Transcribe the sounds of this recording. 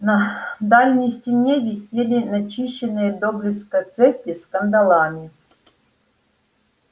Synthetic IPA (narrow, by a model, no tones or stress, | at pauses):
nɐd̪alʲnʲɪjsʲtʲɪnʲevʲɪsʲelʲɪnɐt͡ɕiɕːɪnɨjəd̪obɾʲɪskɐt̪sɛpʲɪskənd̪ɐlˠamʲɪ